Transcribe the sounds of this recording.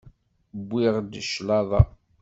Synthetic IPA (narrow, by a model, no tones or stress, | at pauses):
bʷːɪʁd̪ʃlɑðˤɑ